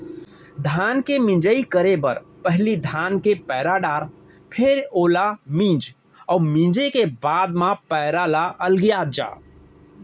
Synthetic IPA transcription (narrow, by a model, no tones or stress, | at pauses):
d̪ʱankemĩd͡ʒəikəɾebəɾpəɦlid̪ʱankepɛɪɾaɖaɾ | pʰeɾolamĩd͡ʒ | əumĩd͡ʒekebad̪mãpəɾalaʔəlɡijad͡ʒa̰